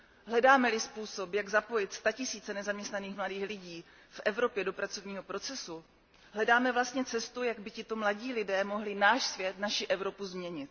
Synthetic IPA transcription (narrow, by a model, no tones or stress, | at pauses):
ɦlɛdaːmɛlɪspuːso̞pjaɡzapo̞jɪt̪st̪acɪsiːt͡sɛnɛzamɲɛst̪naniːxmladiːxlɪɟiː | fʔɛvɾo̞pjɛdopɾat͡so̞vɲiːɦo̞pɾo̞t͡sɛsu | ɦlɛdaːmɛvlast̪ɲɛt͡sɛst̪ujaɡbɪcɪt̪o̞mlaɟiːlɪdɛːmo̞ɦlɪnaːʃsvjɛt̪naʃɪʔɛvɾo̞puzmɲɛɲɪt̪̚